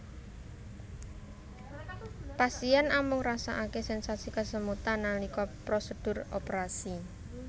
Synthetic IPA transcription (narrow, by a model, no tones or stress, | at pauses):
pasianamʊŋrasa̰ʔakesɛnsat̪sikəsəmut̪anːalikɔpɾosəd̥ʊ̤ropɾasi